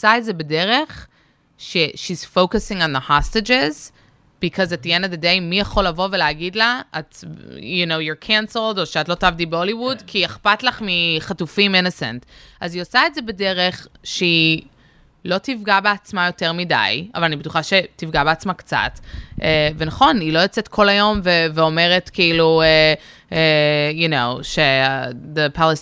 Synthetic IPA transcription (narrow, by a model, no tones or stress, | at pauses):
osaetzebedeʁeχ | ʃeʃiz̥fokasĩŋõnðəhasted͡ʒez | b̥ikʰɔzatːijɛnad̪edejmːijaχo̞lːavo̞veleːɡidlaatjjunowjoɹkʰɛ̃nsl̩doʃeatlo̞tavdibeoliwudkʰieχpatlaχmiχatufimɪ̃nəsɛ̰̃ntʔaziosaetzebedeʁeχʃei | lo̞tifɡabeat͡smajo̞teʁmida̰jʔa̰valanibetuχaʃe̞tifɡabeat͡smakt͡sa̰tʔevenaχo̞nilo̞jot͡setkʰo̞lajo̞mveveo̞me̞ʁetkeilue | ejunowʃeadepales